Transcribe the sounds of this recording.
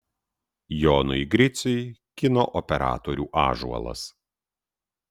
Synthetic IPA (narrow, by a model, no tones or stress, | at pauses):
joːnʊɪɡɾʲɪt̪sʲʊjkʲɪno̰ːʔɔpʲɛɾɑ̰ːt̪oɾʲuːʔɑ̰ːʒṵɔ̰lˠɐ̰s